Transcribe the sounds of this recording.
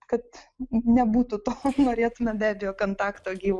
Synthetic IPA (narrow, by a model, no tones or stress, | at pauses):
kɐt̪nʲɛbuːt̪ʊt̪oːnoːɾʲeːt̪ʊmʲɛbʲæːbʲɪjoːkoːnt̪ɑːkt̪oːɡʲiːʋ